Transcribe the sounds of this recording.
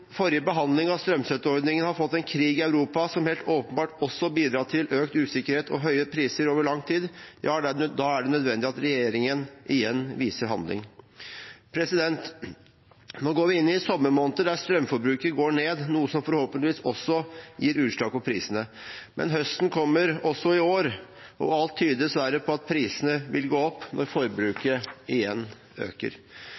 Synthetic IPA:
fɔɾjəbəɦɑnd̪lɪŋɑst̪ɾœmsɛt̪ːəɔɾd̪nɪŋənhɑɾfɔt̪ːɛnkʰɾiːɡɪæʉɾuːpɑsɔmhɛeːlt̪ʰoːpənbɑːʈɔsːɔbiːd̪ɾɑːʈ̪ʰɪlʔøːkt̪ʉːsɪkːəɾheːt̪ʰɔ̰ɦœʏəpʰɾiːsəɾoːʋəɭɑŋːt̪ʰiːd̪jʔɑ̰ːd̪ɑæɖɛnœd̪ʋɛnd̪ɪɑt̪ɾɛjeːɾɪŋənʔɪjɛnːʋiːsəɾɦɑ̰nd̪lɪ̰ŋ | pʰɾɛsɪd̪ɛnt̪ | noːɡoːʋɪɪnːɪsɔmːəmoːnt̪əd̪æst̪ɾœmfɔɾbɾʉːkəɾɡoːɳeːd̪nuːəsɔmfɔɾhoːpənt̪ɪʋiːsɔsːɔjiːɾʉːʂlɑːɡ̚pɔpʰɾḭːsənəmʔɛ̰nɦœst̪n̩kʰɔmːəɾɔsːɔɪoːɾ | ʔɔ̰ɑlt̪ʰːyːd̪əɛsʋæɾəpʰɔɑt̪̚pʰɾiːsənəʋɪlɡoːɔpːnʔɔɾfɔɾbɾʉːkəɪjɛnː | ø̰ːkə̰ɾ

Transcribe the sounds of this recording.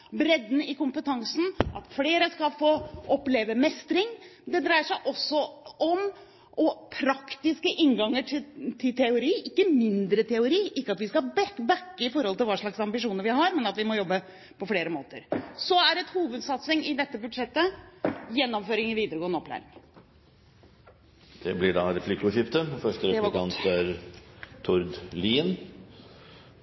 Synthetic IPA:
bɾɛd̪nəɪkʊmpət̪ʰɑŋsn̩ʔɑt̪fleːɾəskɑlfoːʔɔpleːʋəmɛst̪ɾɪŋd̪ɛd̪ɾæɪəʂæɪʔɔsːɔɔm | ʔɔpʰɾɑkt̪ɪskəʔɪŋɡɑŋːəʈʰɪt̪ʰɪlt̪ʰɛʊɾiːɪkːəmɪnd̪ɾət̪ʰɛʊɾiːʔɪkːəɑt̪ʋɪskɑbɛbækːəɪfɔɾhɔlt̪ɪlʋɑːʂɭɑksɑmbɪʂuːnəɾʋɪɦɑɾmɛnɑt̪ʋɪmɔjɔbːə | pʰɔfleːɾəmoːt̪əɾsɔæɾɛt̪huːʋəd̪sɑt̪sɪŋɪd̪ɛt̪ːəbʉd̪ʂɛt̪ːəjɛnːɔmføːɾɪŋɪʋiːd̪əɾəɡoːənɔpːlæ̰ːɾɪŋ | d̪̥ɛblɪɖɑɾɛflɪkːʊçʏft̪əfœʂʈəɾɛɑnt̪æɾt̪ʰʊɾd̪liːn

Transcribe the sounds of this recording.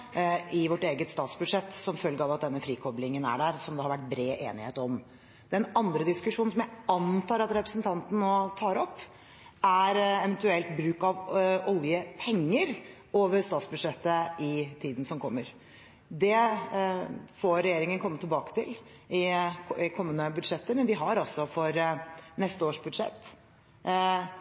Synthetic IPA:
ɪʋɔʈːeːɡət̪st̪ɑːt̪sbʉd̪ʂɛt̪ːsɔmfœlɡəɑʋɑt̪̚d̪ɛnːəfɾiːkʰɔblɪŋənæ̰ɖæɾsɔmd̪ɛhɑɾʋæʈ̚ːbɾeːʔḛːnɪheːt̪ɔm | d̪̥ɛɛnɑnd̪ɾəd̪ɪskʉʂuːnsɔmjæɪɑnt̪ʰɑːɾɑt̪ɾɛpɾəsənt̪ʰɑnt̪n̩ɔt̪ʰɑːɾɔpː | æɾɛʋɛnt̪ʉɛlt̪bɾʉːkɑʋɔljəpʰɛŋːəɾ | ʔoːʋəɾst̪ɑːt̪sbʉd̪ʂɛt̪ːəɪt̪ʰiːd̪n̩sɔmkʰɔmːəɾ | d̪ɛ | foːɾɛjeːɾɪŋənkʰɔmːət̪ʰɪlbɑːkə̥t̪ʰɪl | ɪɪkʰɔmːənəbʉd̪ʂɛt̪ːəɾmɛnd̪ɪɦɑɾɔsːɔfɔɾnɛst̪əoːʂbʉd̪ʂɛ̰t̪ː

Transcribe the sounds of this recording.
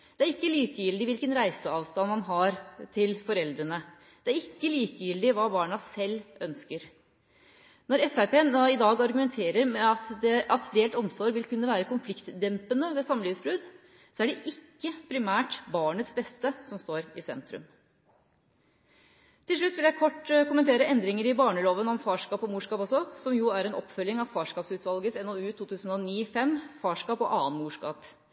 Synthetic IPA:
d̪̥ɛæɾɪkːəliːkəjɪld̪ɪʋɪlkənɾæɪsəɑːʋst̪ɑnmɑnɦɑɾt̪ʰɪlfɔɾɛld̪ɾənə | d̪̥ɛæɾɪkːəliːkəjɪld̪ɪʋɑːbɑːɳɑsɛlːʔœnskəɾ | nɔɾɛfæpeːnɪd̪ɑːɡɑɾɡʉmɛnt̪ʰeːɾəɾmɛɑt̪d̪ɛɑt̪d̪eːlt̪ɔmsoːɾʋɪlkʰʉnːəʋæːɾəkʊnflɪkt̪d̪ɛmpənəʋeːsɑmːəlyːʋsbɾʉːd̪ | sɔæɖɛʔɪkːəpʰɾɪmæːʈbɑːɳət̪sbɛst̪əsɔmst̪oːɾɪsɛnt̪ɾʉ̰m | t̪ʰɪlʂɭʉt̪ːʋɪljæɪkʰɔʈːkʊmːənt̪ʰeːɾəɛnd̪ɾɪŋəɾɪbɑːɳəloːʋənɔmfɑːʂkɑːpɔmuːʂkɑːpɑsɔsɔmjʊæɾɛnɔ̰pːfœlːɪŋɑʋfɑːʂkɑːpsʉːt̪ʋɑlɡəsɛnoːʉːt̪ʰuːt̪ʰʉːsn̩ɔniːfɛmːfɑːʂkɑːpɔʔɑːənmuːʂkɑ̰ːp

